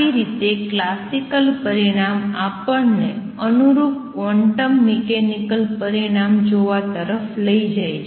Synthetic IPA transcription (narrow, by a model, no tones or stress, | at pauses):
iɾit̪eklasikəlpəɾiɽ̃amapəɾne | ənuɾukkʋɔɳʈəmːekenikəlpəɾiɽ̃amd͡ʒoʋat̪əɾəfləid͡ʒaet͡ʃ